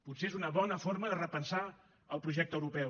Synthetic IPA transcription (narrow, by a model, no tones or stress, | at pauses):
put̪seezunəβɔnəfoɾməðərəpənsa | əlˠpɾuʒɛk̚t̪əwɾupɛw